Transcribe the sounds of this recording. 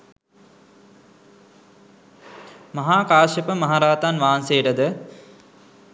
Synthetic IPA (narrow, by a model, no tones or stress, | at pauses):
mɐɦaːkaːʃepəmɐɦaɾaːt̪anʋaːnsejəʈəd̪ə